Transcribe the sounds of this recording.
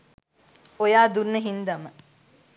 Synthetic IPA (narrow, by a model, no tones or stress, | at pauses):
ojaːd̪unːəɦind̪ɐmə